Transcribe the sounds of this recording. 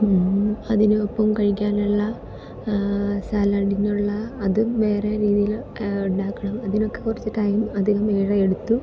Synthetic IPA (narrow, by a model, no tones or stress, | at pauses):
ɐðinuopːɐmkɐɻikʲːaːnuɭːɐ | sɐlɐɖinuɭːɐːðɨʋeːreɾiːðijil | uɳɖaːkːɐɳɐmɐðino̞kːe̞kːurɐt͡ɕːiʈːajumɐd̪ʱiɣɐmeːɻɐeɽut̪ːu